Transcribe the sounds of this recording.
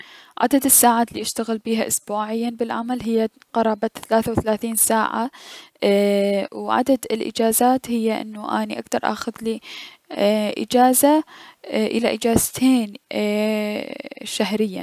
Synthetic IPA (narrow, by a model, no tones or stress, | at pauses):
ʕa̰d̪ad̪ɪsːaːʕaːt̪liːʔaʃt̪aɣɪlbiːɦaʔʊsbuːʕɪjːanbɪlʕamalɦɪjːa | qɑɾˤɑːbat̪θalaːθawθalaːθiːnsaːʕa̰ | wʕa̰d̪ad̪ɪlʔɪ̰d͡ʒaːzaːt̪hɪjːaʔɪ̰nːuʔa̰niʔa̰kt̪ɑɾˤʔa̰ːxʊðli | ʔɪ̰d͡ʒaːza | ʔɪla̰ʔɪd͡ʒaːzt̪ʰeːn | ʃaɦɾɪjːa̰